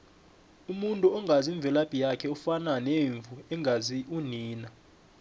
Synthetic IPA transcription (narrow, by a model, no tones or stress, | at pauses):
umuntʼuɔŋɡaziɱbvʱɛlab̥ʼʱijakʰɛufananeɱvʱuɛŋʱaziʔuniːna